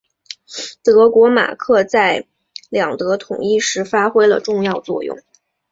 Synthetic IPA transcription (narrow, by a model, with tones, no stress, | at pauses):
t̪ɤ˧˥kwɔ˧˥ma̰˨˩kʰɤ˥˧t͡sa˥˩ɪ | ljɑ˨˩ŋt̪ɤ˧˥t̪ʰʊ̰˨˩ŋi˥˩ʂɻ̩˧˥fa˥xwe˥ɪlə̰˨ʈ͡ʂʊ˥˧ŋjɑ˥˧ʊt͡swɔ̰˥˧jʊ̰˥˩ŋ